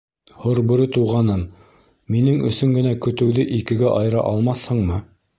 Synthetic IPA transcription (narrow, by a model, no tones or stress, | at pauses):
hŏɾbɵ̆ɾɘt̪uʁɑnɤn | minɘŋɵ̰̆sɵŋɡɘ̆nækɵ̆t̪ɘ̆wðɘʔikɘ̆ɡæʔɑjɤ̆ɾɑ̰ʔɑlˠmɑθhɤ̆ɴmɤ